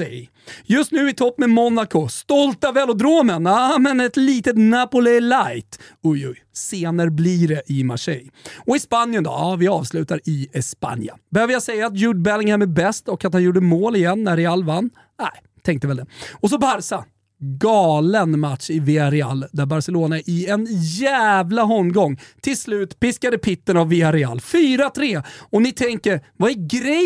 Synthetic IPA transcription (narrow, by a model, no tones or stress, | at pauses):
ɛj | jɵst̪nʉ̟ːɪt̪ʰɔpːmɛmɔnakʊst̪ɔlt̪avɛːlʊd̪ɾoːmənamɛnɛt̪liːt̪ət̪næːpʊlɛlajt̪ʊjʊjseːnəɾbliːɖɛʔɪma̰ʂɛ̰jɔɪspanjənd̪ɔ̰ɑːvɪɑːvslʉ̟ːt̪aɾɪɛspa̰nja̰bɛhøːvəjasɛjːaːt̪̬juːɖbɛlɪŋhɛmɛbɛst̪ɔkat̪hanjuːɖəmoːlɪjɛnːæɾɛalːvanː | næɪ | t̪ʰɛŋk̚t̪əvɛld̪ɛɔs̬ɔbaɾsa | ɡɑːlənmat̪ʂɪvɪaɾɛa̰lːd̪æɾbaɾsɛloːnaɛɾʔɪɛnjæːvlaɦɔmːɡɔŋːt̪ʰɪlslʉ̟ːt̪pɪskad̪əpʰɪt̪ːənavːɪaɾɛa̰lːfyːɾat̪ʰɾeːɔnɪt̪ʰɛŋkəɾvaæɾɡɾɛ